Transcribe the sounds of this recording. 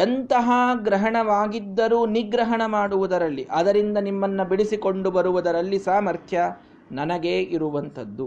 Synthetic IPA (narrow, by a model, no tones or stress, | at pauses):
ɐnt̪ɐɦɐɡɾɐɦɐɳɐʋaːɡid̪ːɐɾuːniɡɾɐɦɐɳɐmaːɽuʋud̪ɐɾɐlːiʔɐd̪ɐɾind̪ɐnimːɐnːɐbiɽisiko̞ɳɖubɐɾuʋud̪ɐɾɐlːisaːmɐɾt̪ʰjɐ | nɐnɐɡeːʔiɾuʋɐnt̪ɐd̪ːu